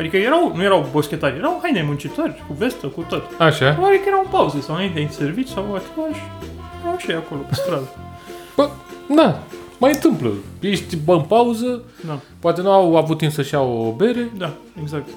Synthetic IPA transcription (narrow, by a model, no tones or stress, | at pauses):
ad̪ikəjeɾawnuje̞ɾawbo̞skʲe̞t̪aɾʲje̞ɾawuhajnemunt͡ʃit̪orʲkuve̞st̪əkut̪ot̪aʃavaɾbikəjɾawɨnpauzəsawɨnaint̪ʲed̪se̞rvit͡ʃu̥sawat̪aʃeɾawʃiako̞lopest̪ɾad̪a | b̥əd̪amajɨnt̪ɨmplə̰jeʃt̪ʲbaɨnpauzəd̪a | poat̪e̞nuawavut̪ːinsəʃiawoobe̞ɾe̞d̪a | eɡzak̚t̪